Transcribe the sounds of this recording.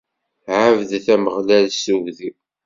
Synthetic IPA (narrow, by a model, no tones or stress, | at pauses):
ʕavd̪θæməʁlælsuvði